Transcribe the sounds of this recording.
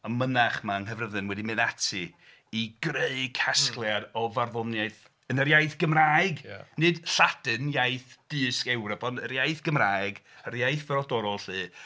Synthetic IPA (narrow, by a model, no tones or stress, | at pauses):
ɔmənaχmanɦəvrəðɨnwɛdimɨðatʰɨ | iɡ̥reɨkʰaskklˠjadɔvarðɔnjajθ | ənərjajθɡ̥əmraːɨɡnɨd̥ɬad̥ɨnjajθd̥ɨːskɛwɾɔpbʰɔnəɾjajθɡ̥əmraːjɡəɾjajθvəɾɔdɔɾɔlˠɬɨː